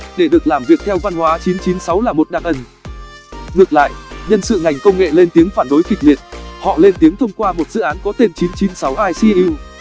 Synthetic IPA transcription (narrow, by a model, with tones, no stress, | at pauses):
ɗe˧˩ɗɨ˨˩ək̚laː˨˩mvi˨˩ək̚t̪ʰɛ˧wva˧nhwaː˨˦t͡ɕi˨˦nt͡ɕi˨˦nsa˨˦wlaː˨˩mo˨˩t̚ɗaː˨˩k̚ʔə˨˩n | ŋɨ˨˩ət̚la̰ː˧˨jʔɲə˧nsɨ̰˧˨ŋa˨˩jŋ̟kə˧wŋ͡mŋḛ˧˨le˧nt̪i˨˦əŋfaː˧˩nɗo˨˦jkï˨˩k̟̚li˨˩ət̚hɔ̰˧˨le˧nt̪i˨˦əŋt̪ʰə˧wŋ͡mkwaː˧mo˨˩t̚z̥ɨ̰˧˨ʔaː˨˦nkɔ˨˦t̪e˧nt͡ɕi˨˦nt͡ɕi˨˦nsa˨˦wʔaː˧jsi˧ʔi˧w